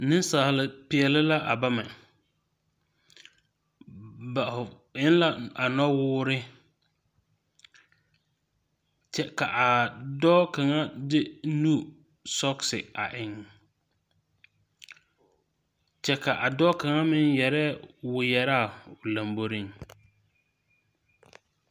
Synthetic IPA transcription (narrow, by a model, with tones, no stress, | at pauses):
nɪ˦n˦saː˨lɪ˨pɪ˨ɛ˨lɪ˦la˦ʔa˨ba˦mɛ˨ | ba˨ʊ˨ | ɪ˦n˦la˦a˨nɔ˦wʊː˦ɾɪ˦ | t͡ʃɛ˦ka˨ʔa˨dɔː˦ka˨ŋa˦dɪ˦nu˦ | sɔ˦ksɪ˨a̰˨ʔɪ˨ŋ | t͡ʃɛ˦ka˨ʔa˨dɔː˦ka˨ŋa˦mɪ˦njɛ˨ɾɛ˦wʊ˨jɛ˨ɾa˦˨ʊ˨la˨mbo˦ɾi˦ŋ